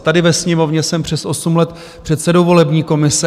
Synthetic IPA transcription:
t̪adɪvɛsɲɛmo̞vɲɛsɛmpr̝̥ɛsʔo̞sumlɛt̪ | pr̝̥ɛt̪sɛdowvo̞lɛbɲiːko̞mɪsɛ

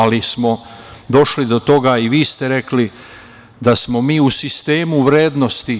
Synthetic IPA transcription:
alismo̞ | d̪o̞ʃlid̪o̞t̪o̞ɡaiʋiːst̪eɾe̞kli | d̪asmo̞miːusist̪e̞ːmuʋɾeːd̪no̞st̪i

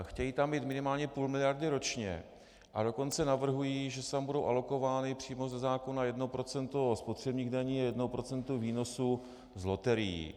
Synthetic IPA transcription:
xcɛjiːt̪ambiːt̪mɪnɪmaːlɲɛpuːlmɪlɪjaɾdɪɾo̞t͡ʃɲɛ̰ | ʔa̰do̞ko̞nt͡sɛnavr̩ɦujiʒɛst̪ambudo̞wʔa̰lo̞ko̞vaːnɪpr̝̥iːmo̞zɛzaːkonajɛdnopɾo̞t͡sɛnt̪ospot̪r̝̥ɛbɲiːɣdaɲiːjɛdnowpɾo̞t͡sɛnt̪uviːno̞su | zlo̞t̪ɛɾɪjḭː

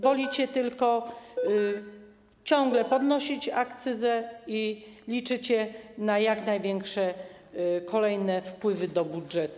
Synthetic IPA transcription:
vɔlʲit͡ɕɛt̪ɘlkɔ | t͡ɕɔ̃ŋɡlɛpɔd̪nɔɕit͡ɕakt̪sɘzɛilʲit͡ʂɘt͡ɕɛnajaknajvʲjɛŋkʂɛ | kʰɔlɛjnɛfpwɘvɘd̪ɔbudʐɛt̪u

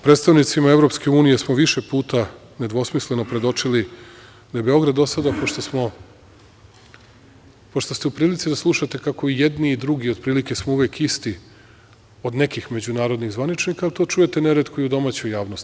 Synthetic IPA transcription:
pɾet̪st̪aʋnit̪simaeʋɾo̞pske̞uːnije̞smo̞ʋiʃe̞puːt̪a | ned̪ʋo̞smisle̞nopɾe̞d̪o̞t͡ʂili | d̪aebe̞o̞ɡɾad̪ːo̞sad̪apoʃt̪osmo | poʃt̪ost̪eupɾiːlit̪sid̪aslˠuʃat̪e̞kako̞ijed̪niːd̪ɾuɡio̞d̪̚pɾiːlike̞smouʋeːkist̪i | o̞d̪ne̞kixme̞d͡ʑunaːɾo̞d̪niɣzʋanit͡ʃnikaːlit̪o̞t͡ʃujet̪e̞ne̞ɾet̪kuiud̪o̞maːt͡ɕujaːʋnost̪i̥

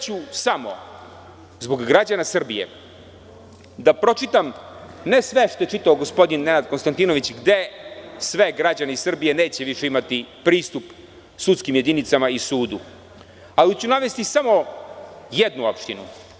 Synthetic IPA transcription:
t͡ɕusamo̞̰ | zbo̞ɡːɾad͡ʑanasr̩bije̞̰ | d̪apɾo̞t͡ʃit̪amne̞sʋe̞ʃt̪o̞je̞t͡ʃit̪aoɡo̞spo̞d̪inːe̞nad̪konst̪ant̪ino̞ʋit͡ɕɡd̪e̞sʋe̞ɡɾad͡ʑaneisr̩bije̞ne̞ːt͡ɕeʋiʃeimat̪ipɾiːst̪up | sut̪skimje̞d̪init̪samaisuːd̪u | alit͡ɕunaʋest̪isamo̞ | jed̪nuo̞pʃt̪inu

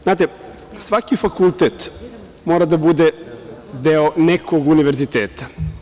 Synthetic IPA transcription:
znaːt̪e | sʋakifakulˠt̪et̪ | moːɾad̪abud̪ed̪eonekoɡuniʋeɾzit̪eːt̪ḁ

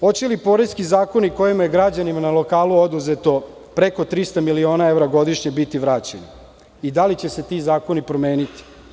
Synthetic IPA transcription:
ho̞t͡ɕelipo̞ːɾeskizaːko̞niko̞jimajeɡɾad͡ʑanimanalo̞kaːluod̪uzet̪o̞ | pɾeko̞t̪ɾist̪amilio̞ːnae̞ʋɾaɡo̞d̪iʃɲebit̪iʋɾaːt͡ɕeni | id̪alit͡ɕe̞se̞t̪izaːko̞nipɾo̞me̞ːnit̪i̥

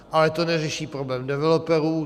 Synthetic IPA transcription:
ʔalɛt̪onɛrɛʃiːpɾo̞blɛːmdɛvɛlopɛɾuː

